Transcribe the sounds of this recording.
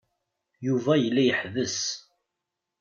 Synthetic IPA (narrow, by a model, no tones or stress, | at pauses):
juvæjəlːæjəħðəs